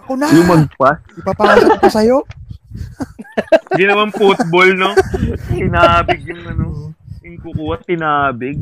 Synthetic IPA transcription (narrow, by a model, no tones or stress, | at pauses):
ɐkonajʊmɐɡ̚pɐʔɪpapaːsokosɐjo̞ | ɡɪnɐmɐnpʊt̪̚bolnot̪ɪnaːbɪɡ̚jʊŋɐnoɪŋkʊkuːɐt̪ːɪnaːbɪɡ̚